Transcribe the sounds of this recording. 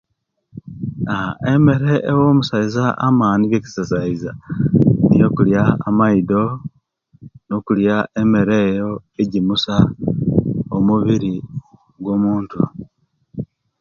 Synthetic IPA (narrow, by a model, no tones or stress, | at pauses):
aeme̞ɾe̞ʔːwomusaizaʔa̰maːniɡeci̥sasaiza | nḭjo̞kuljaːmaido̞ | no̞kuljaʔe̞me̞ɾe̞ːjo̞eɟimusa | omuβiɾi | ɡwo̞muːntu